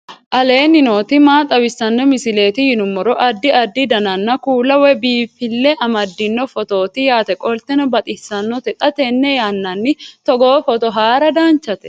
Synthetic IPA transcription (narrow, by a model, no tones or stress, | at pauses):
ʔɐle̞ːnɪno̞ːt̪ɪmaːt̪ʼɐwɪsːɐnːɛmɪsɪle̞ːt̪ɪhɪnʊmːɔɾɔʔɐd̪ːɪɐd̪ːɪd̪ɐnɐnːɐkuːlɐwɛbiːfɪlːɛʔɐmɐd̪ːɪnːɔfɔt̪o̞ːt̪ɪjaːt̪ɛkʼɔlt̪ɛnɔbɐt̪ʼɪsːɐnːɔt̪ɛt̪ʼɐt̪ɛnːɛjanːɐnːɪt̪ɔɡoːfɔt̪ɔɦaːɾɐd̪aːnt͡ʃːɐt̪ɛ̥